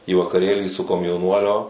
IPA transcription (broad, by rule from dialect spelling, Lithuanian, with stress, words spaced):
iː ʋɐkɐˈrʲeːlʲiː sʊ koːmʲjɛʊˈnuɔlʲoː